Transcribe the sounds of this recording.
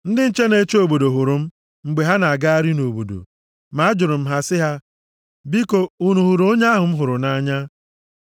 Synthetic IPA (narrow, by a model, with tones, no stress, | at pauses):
n̩˦dɪ˦n̩˦t͡ʃe˦ne˦t͡ʃo˨bo˨do˨ɦʊ˨ɾʊ˨m̩˦ | ŋ͡m̩˨ɡ͡be˨ɦa˦na˨a˨ɡa˦a˦ɾi˦no˨bo̰˨do̰˨ | ma˦d͡ʒʊ˨ɾʊ˨m̩˦ɦa˦sɪ˦ɦa˦ | bi˦ko˨u˦nu˨ɦu˨ɾo˦ɲa˦ɦʊ˨m̩˦ɦʊ˨ɾʊ˨na˦ɲa˦